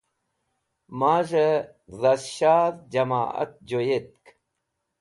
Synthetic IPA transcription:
maːʐe | zɐsɕaːðd͡ʑɐma̰ːɐ̰t̪̚d͡ʑojet̪̚k

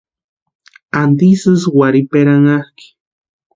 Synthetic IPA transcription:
and̪isɨswaɾipeɾaŋahki̥

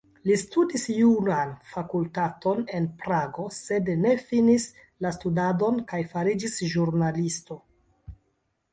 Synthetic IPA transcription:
listudisjunanfakultato̞ne̞npɾaɡo̞se̞dne̞finis | lastudado̞nkajfaɾid͡ʒisʒuɾnalisto̞

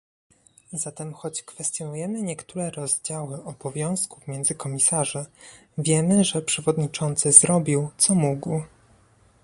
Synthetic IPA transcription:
zat̪ɛmxɔt͡ɕkfɛst̪jɔnujɛmɘɲɛkt̪uɾɛɾɔzd͡ʑawɘʔɔbɔvʲjɔ̃w̃skufmʲjɛnd̪zɘkɔmʲisaʐɛ | vʲjɛmɘʐɛpʂɛvɔd̪ɲit͡ʂɔnt̪sɘzɾɔbʲiwt̪sɔmuɡw

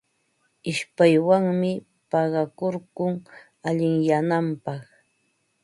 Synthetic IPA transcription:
ɪʃpajwaŋmɪ | pɑɢɑkoɾɢʊŋ | aʎɪŋjanampɑχ

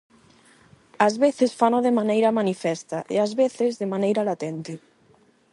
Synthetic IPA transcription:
azβeθesfanoðemanejɾamanifɛst̪aʔḛazβeθezðemanejɾalat̪ent̪e

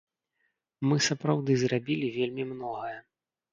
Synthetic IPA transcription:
mɨsɐpɾawd̪ɨzrabʲilʲivʲelʲmʲimnɔɣɐjɐ

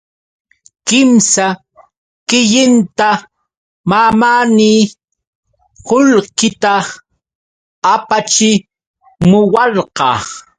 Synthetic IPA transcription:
kɪmsa | kɪʎɪnt̪a | mamaniː | hʊlkɪt̪a | apat͡ʃɪ | mʊwɑɾqɑ̰ː

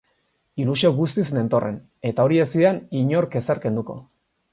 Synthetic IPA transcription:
ilusioɣust̪isne̞nt̪o̞re̞̰n | e̞t̪ao̞ɾiesiðeniɲo̞ɾke̞saɾke̞nd̪uko̞̰

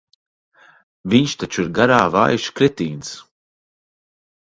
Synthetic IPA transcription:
viɲʃt̪at͡ʃuiɾɡaɾaːva̰ːjʃkɾɛt̪iːns

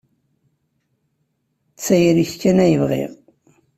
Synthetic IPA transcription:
t͡sːæjɾiçkːænæjəvʁḛʁ

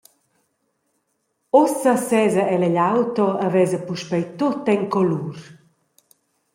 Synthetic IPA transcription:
osəsɛːzɐʔɛlɛʎawt̪ɔəvɛzəpuʃpɛjt̪ot̪ɛŋkɔlur

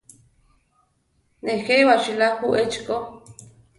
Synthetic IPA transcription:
nexejwat͡ʃilaxuʔet͡ʃko

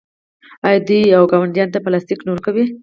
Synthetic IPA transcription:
ɑjɑd̪ujawɡɑwaɳɖjɑnt̪apəlɑst̪iknoɾkawi

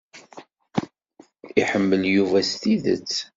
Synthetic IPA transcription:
iħəmːəljuvæst̪iðə̰t͡sː

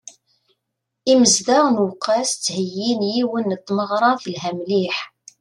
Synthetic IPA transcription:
iməzd̪aʁnwqːæst͡sːhəjːinjiwənːət̪ˤːməʁɾˤɑθəlɦæmliħ

